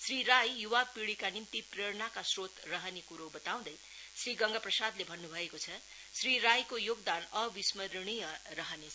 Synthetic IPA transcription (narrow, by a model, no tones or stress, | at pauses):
sriɾajjuwapiɽikanimt̪ipreɽnakasrot̪rʌɦʌnekuɾobʌt̪aw̃d̪ʌj | sriɡʌŋɡaprʌsad̪lebʱʌnːubʱʌekot͡sʰʌ | sriɾajkojoɡ̚d̪anʌbismʌɾɽ̃ijʌɾʌɦʌne